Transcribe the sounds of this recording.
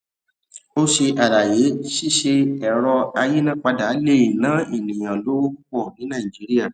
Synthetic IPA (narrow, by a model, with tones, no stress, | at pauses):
o˦ʃe˧ʔa˨ɾa˨je˨˦ʃi˦˨ʃe˧ɛ˨ɾɔ˧a˧je˦nã˦˨k͡pa˧da˨˦le˦˨i˨nã˨˦i˦˨nĩ˨j̃ã˨lo˦u˦k͡pɔ˦˨nĩ˨˦nã˦˨i˨d͡ʒi˨˦ɾi˦a˦˨